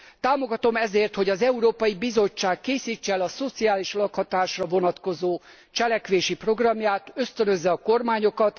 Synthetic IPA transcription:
t̪aːmo̞ɡɒt̪o̞mɛzeːrt̪ho̞ɟɒzɛuɾoːpɒjibizo̞t͡ʃːaːkːeːsiːt͡ʃːɛɛlɒso̞t̪siaːliʃlɒkhɒt̪aːʃrɒvo̞nɒt̪ko̞zoː | t͡ʃɛlɛkʋeːʃipro̞ɡrɒmjaːt̪ø̞st̪ønø̞zːɛɒko̞rmaːɲo̞kɒt̪

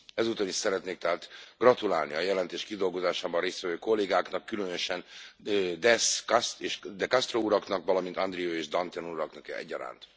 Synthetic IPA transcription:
ɛzut̪oniʃsɛɾɛt̪neːk̚t̪ɛɦaːt̪ɡrɒt̪ula̰ːlniɒjɛlɛnt̪eːʃkid̪o̞lɡo̞zaːʃaːbɒnreːst̪vɛvøːko̞lːeːɡaːknɒkːylønøʃɛn | d̪ɛskseʃd̪ɛkɒst̪rouɾɒknɒkʋɒlɒmint̪ɒnd̪ɾioːeːʒd̪ɒnt̪ɛnuɾɒknɒkɛ̰ɛ̰ɟːɒɾa̰ːnt̪

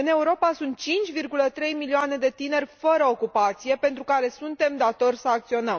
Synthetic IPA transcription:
ɨne̞uɾo̞pasunt̪̚t͡ʃint͡ʃʲvirɡulət̪ɾe̞jmilioane̞d̪e̞t̪ine̞rʲfəɾəokupat̪sije̞pe̞nt̪ɾukaɾe̞sunt̪e̞md̪at̪o̞rʲsəak̚t̪sio̞nəm

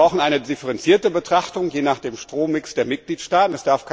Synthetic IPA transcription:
aʊxn̩ʔaɪnədɪfəʁɛnt͡siːɐtəbətʁ̥aχtʊŋjeːnaːχd̥eːmʃtʁ̥oːmɪksd̥eːɐmɪt̚ɡ̥liːtʃtaːtn̩ɛsd̥aɐfkʰ

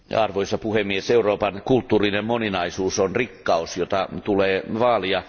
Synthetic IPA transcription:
ɑrʋoisɑpuhemːieseuroːpɑnkult̪ːuːrinemmoninɑisuːsonrikːɑusjot̪ɑt̪uleːʋɑːliɑ

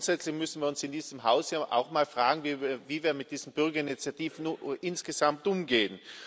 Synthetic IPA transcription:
nsɛt͡slɪçmʏsn̩viːɐʊnsɪndiːz̥əmɦaʊsjaːʔa̰ʊxmaːlfʁ̥aːɡŋ̩viviːviːɐmɪt̚d̥iːz̥m̩b̥ʏɐɡɐɪnit͡sjatiːfn̩ʔɪnsɡ̥ezamtʔʊmɡeːən

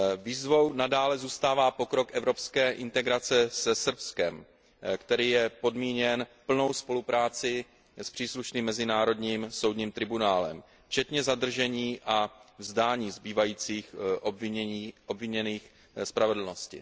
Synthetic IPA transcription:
viːzvo̞wnadaːlɛzuːst̪aːvaːpo̞kɾo̞kʔɛvɾo̞pskɛːʔɪnt̪ɛɡɾat͡sɛsɛsr̩pskɛm | kt̪ɛɾiːjɛpo̞dmiːɲɛnpl̩no̞wspo̞lupɾaːt͡sɪ | spr̥iːsluʃniːmːɛzɪnaːɾo̞dɲiːmso̞wdɲiːmt̪ɾɪbunaːlɛ̰m | t͡ʃɛt̪ɲɛzad̪r̩ʒɛɲiːʔavzdaːɲiːzbiːvajiːt͡siːxʔobiːʔobvɪɲɛniːx | spɾavɛdl̩no̞scɪ̰

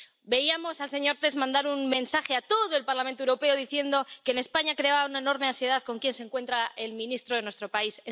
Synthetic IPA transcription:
be̞iamo̞salse̞ɲo̞ɾt̪e̞zmãnd̪aɾunmẽ̞nsaxeat̪o̞ðoe̞lpaɾlament̪owuɾo̞pe̞oðiθje̞nd̪o̞ke̞ːne̞spaɲakɾe̞aβaunaeno̞ɾmeãnsje̞ðaðko̞ŋkje̞nseŋkwe̞nt̪ɾae̞lmĩnist̪ɾoðe̞nwest̪ɾo̞paise

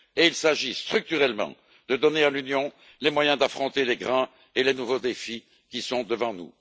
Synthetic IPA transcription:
eilsaʒist̪χyk̚t̪yʁɛlmɑ̰̃ | d̪əd̪ɔnealynjɔ̃ | lemwajɛ̃d̪afχɔ̃t̪eleɡʁɑ̃ | elenuvod̪efi | kʲisɔ̃d̪əvɑ̃nṵ

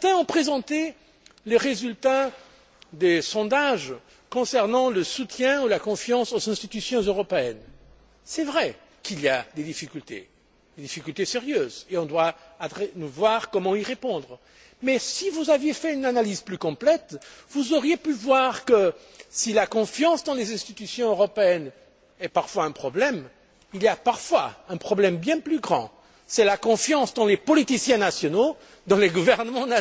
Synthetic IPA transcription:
t̪ɛ̃ɔ̃pχezɑ̃t̪e | leʁezylt̪a | d̪esɔ̃d̪aʒ | kɔ̃sɛʁnɑ̃ləsut̪jɛ̃ulakɔ̃fjɑ̃sozɛ̃st̪it̪ysjɔ̃zøʁɔpeɛn | sɛvʁɛ | kiliad̪ed̪ifikʲylt̪ḛ | d̪ed̪ifikʲylt̪eseʁjøːzeɔ̃d̪waad̪ʁɛnuvwaʁkɔmɑ̃iʁepɔ̃d̪ʁ | mɛsivuzavjefɛynanalizplykɔ̃plɛt̪vuzɔʁjepyvwaʁkə | silakɔ̃fjɑ̃sd̪ɑ̃lezɛ̃st̪it̪ysjɔ̃øʁɔpeɛn | ɛpaʁfwaɛ̃pχɔblɛm | ilijapaʁfwaɛ̃pχɔblɛmbjɛ̃plyɡʁɑ̰̃ | sɛlakɔ̃fjɑ̃sd̪ɑ̃lepɔlit̪isjɛ̃nasjɔno | d̪ɑ̃leɡuvɛʁnəmɑ̃n

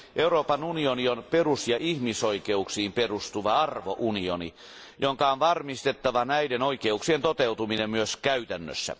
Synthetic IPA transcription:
ʔeuroːpɑnunionionperusjɑʔihmisoikeuksiːmperust̪uʋɑɑrʋo̰ʔunio̰nḭ | joŋkɑonʋɑrmist̪et̪ːɑʋɑnæidenoikeuksient̪ot̪eut̪uminemmyøskæyt̪ænːø̰sːæ̰

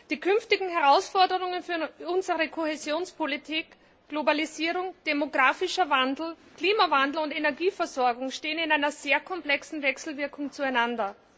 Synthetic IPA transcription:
d̥iːkʰʏnftɪɡŋ̩hɛʁaʊsfɔɐdəʁʊŋənfyːɐʔʊnzəʁəkʰoɦezjoːnspʰolitʰiːk | ɡ̥lobaliziːʁʊŋd̥emoɡʁaːfɪʃɐvandl̩kl̥iːmavandl̩ʊntenɛɐɡiːfɛɐzɔɐɡʊŋʃteːənɪnaɪnɐz̥eːɐkʰɔmplɛksn̩vɛksl̩vɪɐkʰʊŋt͡suaɪnandɐ

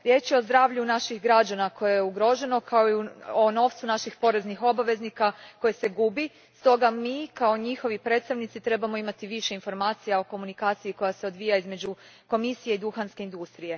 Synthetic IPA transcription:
ɾje̞t͡ʃjeozd̪ɾaːʋʎunaʃixɡɾad͡ʒanako̞jejeuɡɾo̞ʒe̞no̞kʰaoiuono̞ʋt̪sunaʃixpo̞ɾe̞znixo̞baʋe̞znikako̞jese̞ɡubi | st̪o̞ɡamiːkao̞ɲixo̞ʋipɾe̞ːt̪st̪aʋnit̪sit̪ɾe̞bamo̞imat̪iʋiʃe̞info̞ɾmaːt̪sijao̞ko̞munikaːt̪sijiko̞jaseo̞d̪ʋijaizme̞d͡ʑu | ko̞misije̞id̪uxanske̞ind̪ust̪ɾije̞

